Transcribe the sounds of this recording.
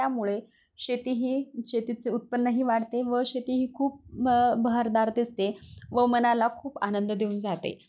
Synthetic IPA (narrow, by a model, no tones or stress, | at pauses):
jamuɭe | ɕet̪iɦiːɕet̪it͡seut̪̚pənːəɦiːʋaɽt̪eʋəɕet̪iːɦiːkʰuːp̚bəɦaɾd̪aɾd̪ist̪eʋəmənalakʰuːpanənd̪d̪euːnd͡zat̪ḛ